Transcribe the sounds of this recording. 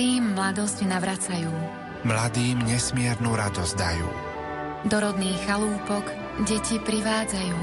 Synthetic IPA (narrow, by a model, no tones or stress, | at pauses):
iːmːlad̪ɔzɟnaʋɾat͡sajuː | mlad̪iːmɲɛsmɪɛɾnuɾad̪ɔzd̪ajṵː | d̪ɔɾɔd̪niːxaluːpɔk | ɟɛcipɾiʋaːd͡zajuː